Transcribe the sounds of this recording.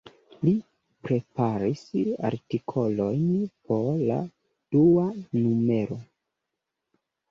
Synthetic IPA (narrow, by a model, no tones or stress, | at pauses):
li | pɾe̞paɾisa̰ɾtikʰo̞lo̞jnpo̞ɾla̰ | d̥uanume̞ɾo̞